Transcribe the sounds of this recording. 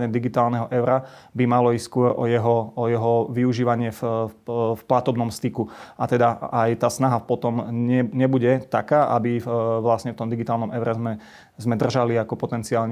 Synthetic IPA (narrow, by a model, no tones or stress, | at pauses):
ɲɛd̪iɡit̪aːlnɛɦɔʔɛʊɾabimalɔisskʊɔɾɔ̰jɛɦɔɔjɛɦɔʋiuʒiːʋaɲɪɛf | fplat̪ɔbnɔmst̪ikuat̪ɛd̪aajt̪aːsnaɦapɔt̪ɔmɲɛɲɛbuɟɛt̪akaːʔa̰biʋlasɲɛft̪ɔmd̪iɡit̪aːlnɔmɛʊɾɛzmɛ | zmɛd̪r̩ʒaliakɔpɔt̪ɛnt͡siaːlɲ